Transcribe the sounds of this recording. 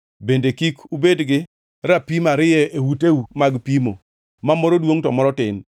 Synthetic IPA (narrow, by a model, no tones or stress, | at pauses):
bendekikubedɡɪ | ɾapimaɾɪjɛewutewumaɡpimo | mamɔɾodwoŋtɔmɔɾɔtɪn